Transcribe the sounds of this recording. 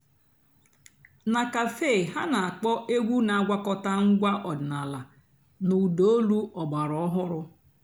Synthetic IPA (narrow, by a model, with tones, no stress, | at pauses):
na˨ka˨fe˦˨ɦa˦na˨a˨k͡pɔ˦ʔe˦ɡʷu˦na˨a˦ɡʷa˦kɔ˦ta˦ŋ̩˦ɡʷa˦ʔɔ˨dɪ˨na˨la˨ | nu˨do˨o˦lu˦ɔ˨ba˨ɾɔ˨˦ɔ˦ɦʊ˦ɾʊ˦